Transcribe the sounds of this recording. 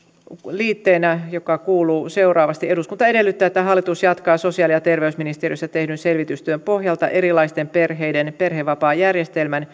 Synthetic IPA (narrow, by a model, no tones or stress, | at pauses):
liːt̪ːeːnæjokɑkuːluːse̞urɑːʋɑst̪ie̞duskunt̪ɑede̞lːyt̪ːæːet̪ːæɦɑlːit̪usjɑt̪kɑːso̞siɑːlijɑt̪e̞rʋeysminist̪erijosːɑt̪e̞hdynse̞lʋit̪yst̪yømpo̞hjɑlt̪ɑ̰ʔe̞ɾilɑist̪emperɦe̞jdenpe̞rɦeʋɑpɑːjærjest̪elmæn